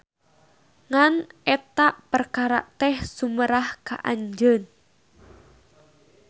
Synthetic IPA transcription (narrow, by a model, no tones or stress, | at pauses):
ŋanɛt̪aʔpərkaɾa̰ʔt̪ɛhsuməɾahka̰ʔa̰ɲd͡ʒən